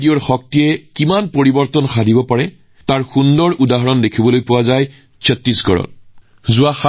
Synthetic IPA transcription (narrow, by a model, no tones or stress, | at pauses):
dijɔɹxɔk̚tijɛkimanpoɹibɔɹtɔnxadʱibɔpaɹɛ | taɹxundɔɹʔudaɦɔɹɔndekʰibɔlojpʊwazaj | sɔtːisɡɔ̰ɹɔ̰n | zʊwaxa